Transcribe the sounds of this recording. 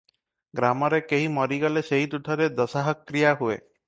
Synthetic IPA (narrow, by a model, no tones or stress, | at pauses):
ɡɾamɔɾekeɦimɔɾiɡaleseɦid̪uʈʰɔɾed̪ɔsaɦakːɾijaɦuḛ